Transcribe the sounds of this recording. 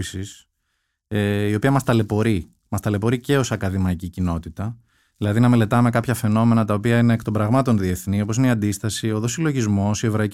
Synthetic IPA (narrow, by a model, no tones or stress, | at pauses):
isis | eio̞piɐmɐst̪ɐle̞po̞ɾi | mɐst̪ɐle̞po̞ɾice̞o̞sɐkɐðimɐicicino̞t̪it̪ɐ | ðilɐðinɐme̞le̞t̪ɐme̞kɐpçɐfe̞no̞me̞nɐt̪ɐopiɐine̞ːkt̪o̞mbɾɐɣmɐt̪o̞nðie̞θnio̞pos̬ineiɐnd̪ist̪ɐsio̞ðo̞silo̞ʝizmo̞sie̞vɾoi